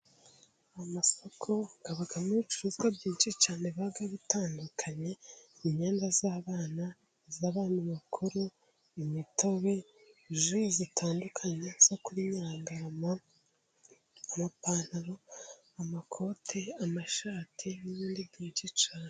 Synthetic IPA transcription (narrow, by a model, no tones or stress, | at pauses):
amaso̞kʰo̞ɡ̥aβaɡamiit͡ʃuɾuzɡabɟiːnt͡ʃit͡ʃaːneβaɡaβitaːndukʰaɲe̞iɲe̞ːndazaːβaːna | zaβaːniβakʰuɾu | imito̞βe̞ | ʒuzitʰaːndukʰaɲe̞z̥o̞kuɾiɲaːŋɡaama | amapaːn̥aɾo | amakʰo̞ːtʰeamaʃaːtʰiniβiːndibɟiːnt͡ʃit͡ʃaːne